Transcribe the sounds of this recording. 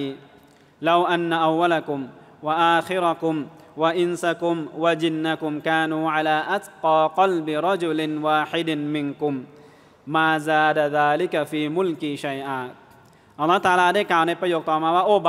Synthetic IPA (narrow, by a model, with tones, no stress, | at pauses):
la˧wʔa˦nːa˧ʔa˨wːa˦lakʊ˨mwa˨ʔaː˧xɪ˦ɾakʊ˧mwaʔɪnsakʊ˧mwa˨d͡ʒɪ˦nːa˦kʊmkaː˧nuːʕa˦˧laː˧ʔa˦t̪qɑːqɑ˦lbɪɾˤɑ˦d͡ʒʊ˨lɪnwaː˧ħɪ˦dɪnmɪ˧nkʊ˨mː | aː˧zaː˧daðaː˧lɪi˦kafiː˨mʊ˦lkiʃa˧jʔaː˧ | ʔa˨lˤːɑː˦ht̪aː˧˦laː˧daː˥˩jklaː˨˩wna˧jpɾa˧joː˨˧k̚t̪ɔː˨˩maː˧waː˥˩ʔoː˧b